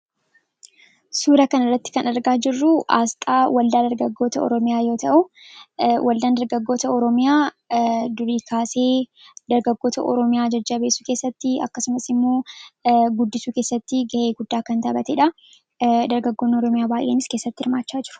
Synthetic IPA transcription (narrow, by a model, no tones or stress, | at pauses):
suːɾɐkɐnɐrːɐt̪ːɪ̥kɐnɐɾɡaːd͡ʒɪrːʊʔa̰ːst̪ʼaːwɐld̪aːd̪ɐɾɡɐɡːo̞ːt̪ɐɔ̰ɾɔmɪjaːjo̞ːt̪ɐʔʊ | wʔɐld̪aːnd̪ɐɾɡɐɡːo̞ːt̪ɐɔɾɔmɪjaː | d̪ʊɾiːkʰaːse̞ːd̪ɐɾɡɐɡːo̞ːt̪ɐʔɔ̰ɾɔmɪjaːd͡ʒɐd͡ʒːɐbeːsːu̥ːke̞ːsːɐt̪ːɪɐkːɐsʊmɐsɪmːo̞ː | ɡʊd̪ːɪsuːke̞ːsːɐt̪ːɪɡɐʔe̞ːɡʊd̪ːaːkɐnt̪ɐbɐt̪ɛᶑɐ | d̪ɐɾɡɐɡːoːnːɔɾɔmɪjaːbaːjʔeːnɪske̞sːɐt̪ːɪɪɾmaːt͡ʃːaːd͡ʒɪɾʊ̥